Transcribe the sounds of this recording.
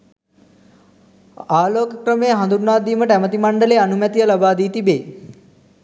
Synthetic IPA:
aːloːkəkrəmejəɦand̪uɾunaːd̪iːməʈəæmət̪imaɳɖəleanumæt̪ijəlabaːd̪iːt̪ibeː

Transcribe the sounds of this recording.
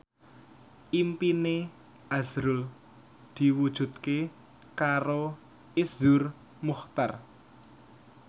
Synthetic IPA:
ʔimpine | az̥ɾʊl | d̪̥i̤wud̥ʒ̥ṳt̪̚ke | kaɾo | ɪsʊr | muxt̪ar

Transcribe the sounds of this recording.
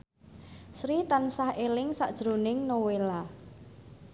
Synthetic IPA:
sɾit̪ansahelɪŋsa̰ʔd̥ʒ̥ɾonɪŋnowela

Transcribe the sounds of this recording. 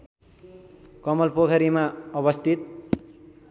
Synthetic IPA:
kʌmʌlpokʰʌɾimaʌbʌst̪ʰit̪̚

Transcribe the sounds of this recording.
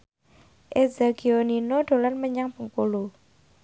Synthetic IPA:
ʔezaɡ̥ioninoɖ̪̥o̤lanməɲaŋb̥əŋkolo

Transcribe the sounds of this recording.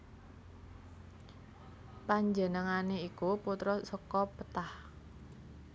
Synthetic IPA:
paɲd͡ʒənəŋaneikuput̪ɾɔsəkɔpət̪ah

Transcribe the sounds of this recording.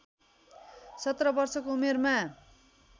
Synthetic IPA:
sʌt̪rʌbʌrsʌkoumerma

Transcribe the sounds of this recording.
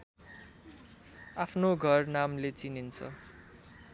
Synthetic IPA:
apʰnoɡʱʌrnamlet͡sinint͡sʰʌ̰

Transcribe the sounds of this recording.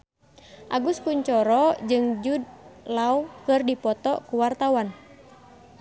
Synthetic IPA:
ʔaɡuskuɲt͡ʃɔɾɔd͡ʒɨŋd͡ʒud̚laukɨrdipɔt̪ɔkuwart̪awan

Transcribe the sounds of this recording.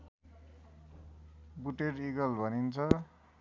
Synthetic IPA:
buʈeɾiɡʌlbʱʌnint͡sʰʌ

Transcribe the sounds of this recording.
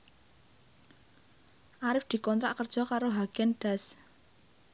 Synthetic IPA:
ʔaɾɪfd̪̥i̤kɔnt̪ɾa̰ʔkərd̥ʒ̥ɔ̤kaɾoɦaɡ̥ɛnɖ̥a̤s

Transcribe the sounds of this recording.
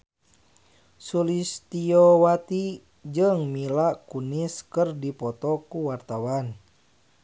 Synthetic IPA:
sulist̪iɔwat̪i | d͡ʒɨŋmilaʔkuniskɨrdipɔt̪ɔkuwart̪awan

